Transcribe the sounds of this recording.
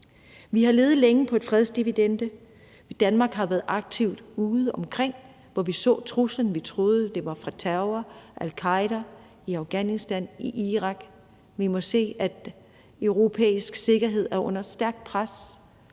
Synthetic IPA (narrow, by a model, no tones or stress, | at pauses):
ʋihɑ̈le̝ːð̩ˠleŋəpʰɒ̽e̝d̥fʁɛð̞ˠsd̥iʋid̥end̥ə | d̥ænmɑ̈ːɡ̥ɦɑ̈ʋæːɐð̩ˠɑ̈ɡ̥̚t͡sʰiʊ̰d̥uːð̞̩ˠɒ̽mkʰʁeŋ̰ | ʋɒʋisɔ̰̽ːt͡sʰʁuslən̩ʋit͡sʰʁo̝ːð̞̩ˠəd̥e̝ʋɑ̈fʁɑ̈t͡sʰæʊɐʔælkʰɑ̈ɪɾ̥ɐ | iɑ̈ʊɡ̥ænisd̥æniʔiʁɑ̈ɡ̥ | ʋimɔ̽se̝̰ːæd̥ | øʊʁo̝pʰḛːisɡ̥se̝ɡ̥ɐɦe̝ð̞̰ˠæɐʔɔ̽n̰ɐsd̥æɐɡ̥̚d̥̚pʰʁas